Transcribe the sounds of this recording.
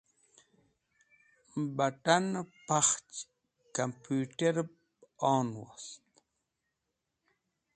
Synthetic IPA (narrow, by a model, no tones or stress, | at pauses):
baʈanpaχt͡ʃ | kampuːʈeɾp | ɑːnwast̪